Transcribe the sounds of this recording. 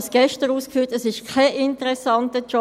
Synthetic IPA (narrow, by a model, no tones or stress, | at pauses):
sɡ̥ɛʃtəɾuːskfyːɐtəsɪʃkʰɛʔɪntəʁɛsɑntət͡ʃɔ